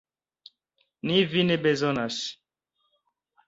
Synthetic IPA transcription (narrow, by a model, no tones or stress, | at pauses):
nivinebezonas